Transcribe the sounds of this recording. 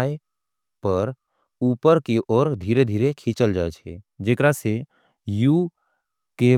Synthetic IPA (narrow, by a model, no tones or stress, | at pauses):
e | pəɾ | uːpəɾkeʔɔːɾd̪ʱiːɾed̪ʱiːɾekʰĩt͡ʃəld͡ʒaet͡ʃʰɛ̰d͡ʒekɾase | ju | ke